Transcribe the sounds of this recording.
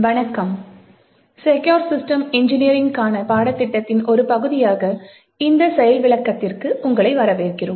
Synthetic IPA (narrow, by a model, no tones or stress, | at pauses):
ʋɐɳɐkːɐm | sɛkoːɾsɪsʈɐmɪɲd͡ʒɪniɾɪŋɡkaːnɐpaːɽɐt̪ːɪʈːɐt̪ːɪnʔɔɾɯpɐɣɯðɪjaːɣɐ | ɪnd̪ɐsɛjɐlʋɪɭɐkːɐt̪ːɪrkɯʔʊŋɡɐɭɐɪʋɐɾɐʋeːrkɪrɯm